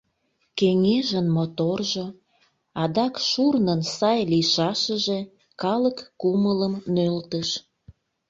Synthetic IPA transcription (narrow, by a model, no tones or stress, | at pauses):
keŋeʒənmot̪orʒo | ɑd̪ɑkʃurnənsɑjliʃɑʃəʒe̽ | kɑləkːumələmnølt̪əʃ